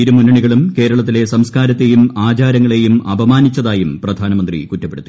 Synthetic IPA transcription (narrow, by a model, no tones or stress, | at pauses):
iɾumunːɐɳiɣɐɭumke̞ːɾɐɭɐt̪̬ːile̞sɐmskaːɾɐt̪ːe̞jumaːt͡ɕaːɾɐŋːɐɭe̞jumɐbʱɐmaːnit͡ɕːɐðaːjumprɐd̪ʱaːnɐmɐnd̪rḭkutːɐpːeɽut̪ːi̥